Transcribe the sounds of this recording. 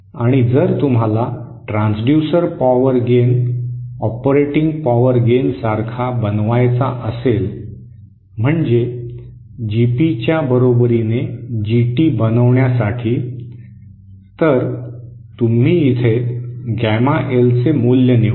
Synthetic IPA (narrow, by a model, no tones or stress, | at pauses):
aɽ̃id͡zəɾt̪um̤ala | ʈɾãnsɖjusəɾpɔʋəɾɡen | ɔpɾeʈiŋɡpɔʋəɾɡensaɾkʰabənʋajt͡saʔəsel | m̤əɳd͡ze | d͡ʑipit͡ɕjabəɾobɾined͡ʑiʈiːbənəʋɳjasaʈʰiː | t̪əɾ | t̪um̤iːit̪ʰeɡæmaʔelt͡semuljəni